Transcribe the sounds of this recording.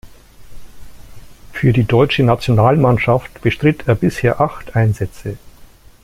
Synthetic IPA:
fyːɐdiːdɔʏt͡ʃənat͡sjonaːlmanʃaftb̥əʃtʁ̥ɪtʰeːɐbɪsheːɐʔaχtʔaɪnzɛt͡sə

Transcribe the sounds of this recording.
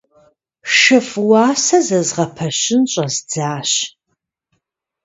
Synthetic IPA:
ʃɨfwɑːsɐzɐzʁɐpʰɐɕɪnɕʼɐzd͡zaːɕ

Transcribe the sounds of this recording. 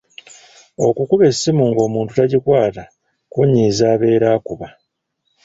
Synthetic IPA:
o̞kukuβe̞sːimuŋɡo̞ːmuːntutaɟikwaːta | kuɲːiːzaːβe̞ːɾaːkuβa

